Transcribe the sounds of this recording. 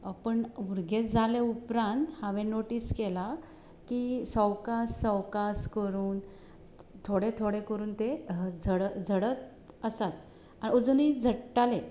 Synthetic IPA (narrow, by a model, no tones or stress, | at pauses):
əpəɳuɾɡed͡zʱaleupɾãnt̪hãʋẽnoʈiːskela | kisəwkasːəwkaskəɾuːn | t̪ʰoɽet̪ʰoɽekəɾuːnt̪ed͡zʱəɽəd͡zʱəɽət̪ | əsat̪ | aniod͡zuniːd͡zʱəʈʈale